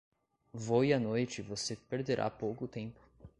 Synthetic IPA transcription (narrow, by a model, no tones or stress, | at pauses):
voiɐnojt͡ʃɪvosepeɾd̪eɾʔa̰powkʊt̪ẽmpʊ̥